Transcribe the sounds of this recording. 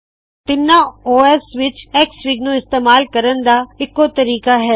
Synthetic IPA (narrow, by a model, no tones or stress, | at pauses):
t̪ɪnːaoːɛːsʋɪt͡ʃɛːksʋɪɡnõɪst̪eːmaːlkɐɾən̆d̪aɪkːot̪ɐɾiːkaɦɛː